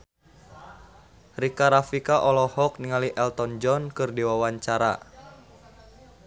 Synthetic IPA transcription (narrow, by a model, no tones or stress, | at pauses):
rikaɾafikaʔɔlɔhɔk̚niŋaliʔɛlt̪ɔnd͡ʒɔnkɨrdiwawaɲt͡ʃaɾa̰